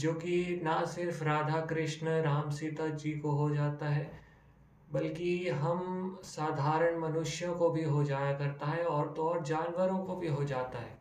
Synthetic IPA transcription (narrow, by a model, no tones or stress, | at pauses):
d͡ʒoːkinɐsɪɾfɾaːd̪ʱakɾɪʃnɾaːmsɪt̪ad͡ʒiːkoɦod͡ʒaːt̪aɦɛː | bɐlkiɦɐmsaːd̪ʱaːɾəɽ̃mɐnʊʃjõkobʱiɦod͡ʒaːjakɐɾt̪aɦɛɔːɾt̪ɔːɾd͡ʒaːnʋəɾõkobʱiɦod͡ʒaːt̪aɦɛː